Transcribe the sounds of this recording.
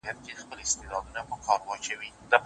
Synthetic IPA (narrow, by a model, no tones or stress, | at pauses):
jat̪̚ked̪əxpəlɪst̪ed̪ɑd̪unapəkʰɑɾwɑt͡ʃawid̪̥əp